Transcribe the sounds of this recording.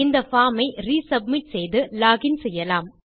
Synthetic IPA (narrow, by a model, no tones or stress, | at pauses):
ɪnd̪ɐfaːmɐɪɾiːsɐbmɪʈsɛjðɯlaːɣɪnsɛjːɐlaːm